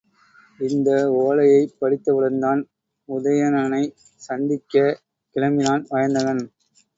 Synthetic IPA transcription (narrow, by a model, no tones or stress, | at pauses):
ɪnd̪ɐoːlɐjɐɪpːɐɽɪt̪ːɐʋɪɽɐɾnd̪aːn | ʊðɐjɐnɐnɐɪ | sɐnd̪ɪkːɐ | kɪlɐmɪnaːnʋɐjɐnd̪ɐɣɐn